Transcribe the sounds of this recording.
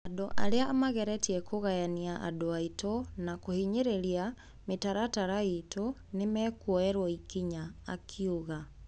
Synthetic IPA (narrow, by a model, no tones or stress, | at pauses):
adoʔa̰ɾeaːmaɣɛɾɛtiɛkʰoɣajaniaʔa̰doaitonakohiɲeɾeɾia | metaɾataɾaitonemɛkwɔɛɾwɔikiɲa̰ːkʰiuɣa